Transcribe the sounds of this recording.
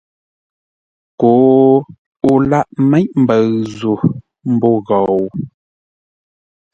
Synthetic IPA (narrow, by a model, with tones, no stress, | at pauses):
ko˨˦ | u˦la˦ʔmɛ˦ʔm̩˨bə˨ɰzu˨ | m̩˦bɔ˦˨ɣɔ˨w